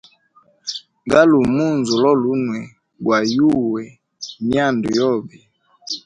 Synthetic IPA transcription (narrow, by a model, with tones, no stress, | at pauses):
ŋɡa˦lu˨mu˦nzu˨lɔ˦lu˦nwɛ˨ | ɡwa˨ju˦wɛ˨ | ni˦a˦˨ndu˨jɔ˦˨bi˨